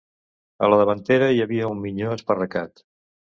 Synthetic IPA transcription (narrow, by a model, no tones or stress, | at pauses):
ə̰ləðəβənt̪eɾəjəβiəummiʎoəspərəkat̪